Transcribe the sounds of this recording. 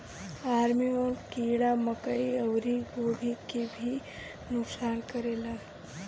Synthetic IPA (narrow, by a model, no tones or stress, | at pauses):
aːɾmiɔːɾkiːɽamɐkəiɐwɾiɡoːbʱikebʱi | nʊksaːnkɐɾeːlaː